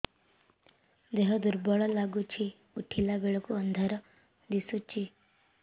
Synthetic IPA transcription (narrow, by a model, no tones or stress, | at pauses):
d̪eɦɔd̪uɾbɔɭɔlaɡut͡ʃʰi | uʈʰilabeɭɔkuənd̪ʱaɾɔ | d̪isut͡ʃʰi